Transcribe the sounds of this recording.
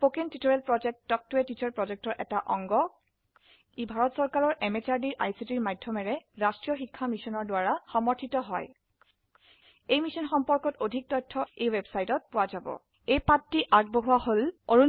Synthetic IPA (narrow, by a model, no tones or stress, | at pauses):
pokentitoɹɛlpɹɔd͡ʒɛk̚tːɔk̚tʊɛtitʰɔɹpɹɔd͡ʒɛk̚tɔɹʔɛtaʔɔŋɡɔ | ibʱaɹɔtsɔɹkaɹɔɹʔɛmet͡ʃaɹdiɹʔa̰jsitiɹmajdʱɔmɛɹɛɹastɹijɔxikʰːamisɔnɔɹdʊwaɹaxɔmɔɹtʰitɔɦɔj | ejmisɔnxɔmpɔɹkɔtodʱik̚tɔjtʰːɔejwebsajtɔt̚pʊwazabɔ̰ | ejpatːiʔak̚boɦuaɦoloɹun